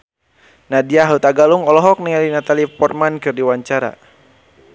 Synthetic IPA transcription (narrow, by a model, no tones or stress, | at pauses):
nadiaɦaut̪aɡaluŋɔlɔɦɔk̚niŋalinat̪alipɔrmankɨrdiwaɲt͡ʃaɾa̰